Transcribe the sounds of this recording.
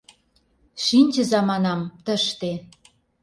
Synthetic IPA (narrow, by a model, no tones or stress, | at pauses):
ʃinʲt͡ɕə̆zɑmɑnɑmt̪ə̆ʃt̪e